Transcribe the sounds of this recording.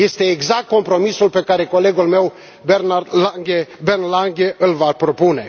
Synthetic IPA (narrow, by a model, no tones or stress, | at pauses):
je̞st̪e̞ːɡzak̚t̪̚ko̞mpɾo̞misulpe̞kaɾe̞ko̞le̞ɡulme̞w | beaɡʲebenlaŋɡʲe̞ʔɨlvapɾo̞pune̞